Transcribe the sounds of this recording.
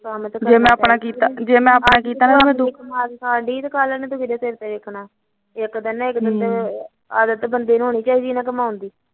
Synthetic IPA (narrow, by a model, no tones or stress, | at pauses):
kamt̪ːd͡ʒeːmɛ̃ːapnaːkiːt̪aːd͡ʒeːmɛ̃ːaːpnaːkiːt̪aːnaːeːmɛ̃ːd̪ʊkʰaːãːɖiːt̪kaːlənẽːd̪ʊkiɾeːsɪɾt̪eːʋekʰnaː | ɪkd̪ənːaɪkd̪ət̪ | aːd̪ət̪bənd̪eːñɦoːɳiːt͡ʃaːiːd̪iːnãːk̬əmaːʊnd̪iː